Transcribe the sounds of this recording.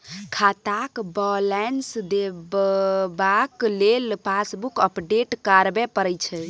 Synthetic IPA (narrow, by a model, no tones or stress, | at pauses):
kʰat̪akbɔlɛnsd̪ebbaklelpasbukəpɖeʈkaɾbepəɾəjt͡ʃʰɛ